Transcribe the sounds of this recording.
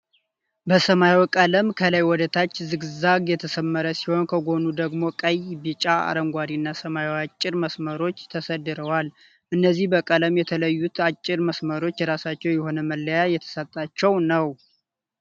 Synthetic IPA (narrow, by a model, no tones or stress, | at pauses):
bəsəmajwkʼələmkʰələjwɔd̪ət̪ʰat͡ʃːzɨɡzaɡjɛt̪ʰəsəmːəɾəsiho̞nkʰəɡo̞nud̪əɡmo̞kʼəjbit͡ʃʼaa̰ɾəŋɡʷad̪inːasəmawat͡ʃʼːɪɾməsməɾo̞t͡ʃːt̪ʰəsəd̪ːɨɾəwal | ʔɨnːəzːihbəkʼələmjɛt̪ʰələjːut̪at͡ʃʼːɪɾməsməɾo̞t͡ʃːɾasat͡ʃːɛwjɛho̞nəməlːəjajɛt̪ʰə̥sət̪ʼːat͡ʃːɛwnəw